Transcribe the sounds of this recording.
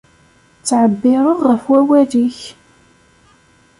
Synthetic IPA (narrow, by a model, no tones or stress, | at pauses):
t͡sːʕəbːɪɾˤoʁəfwæwæðiç